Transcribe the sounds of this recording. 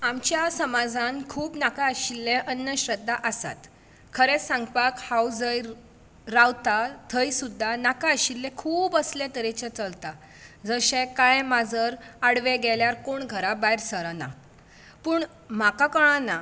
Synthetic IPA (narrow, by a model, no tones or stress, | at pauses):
amt͡ɕjasəmad͡zʱankʰuːpnakaəɕilːɛ̃ʔənːəɕɾəd̪ʱːaʔəsa̰t̪ | kʰəɾɛsãŋɡpakhawd͡zəj | ɾawt̪at̪ʰəjsud̪ʱːanakaəɕilːɛ̃kʰuːbəslẽt̪əɾɛt͡ɕet͡səlt̪a | d͡zəɕẽkajmad͡zəɾaɽʋeɡɛljaɾkoɳɡʱəɾabajiɾsəɾana̰ | puːɳ | makakəɭ̃ana